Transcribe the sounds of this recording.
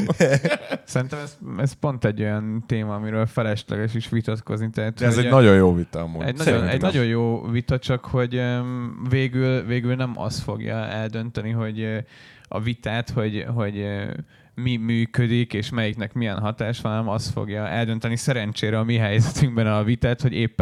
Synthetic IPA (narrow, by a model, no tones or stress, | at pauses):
sɛɾint̪ɛmɛzɛspo̞nt̪ɛɟːo̞jɒnt̪eːmɒːmiɾøːlfɛlɛʃlɛ̰ɡɛʃiʃʋit̪ɒt̪ko̞̰znit̪ɛɦːt̪ɛzɛnɒɟojjoːvit̪ɒmo̰ɛ̰ɟnɒonɛ̰ɟnɒɟo̞jjoːvit̪ɒt͡ʃɒkho̞ɟøveːɡylveːɡylnɛmʔɒ̰st̪foɡjɒ̰ɛld̪ø̞nt̪ɛniɦo̞ɟ | ɒ̰vit̪aːt̪ho̞ɟɦo̞ɟ | mimyːkød̪ikeːʃmɛjiknɛkmijɛnɦɒt̪aːʃɒnnɛmɒst̪fo̰ɡjɒɛld̪ø̞nt̪ɛnisɛɾɛnt͡ʃeːɾɛɒmiɦɛjzɛt̪yŋɡbɛnɒvit̪aːt̪ho̞ɟeːpː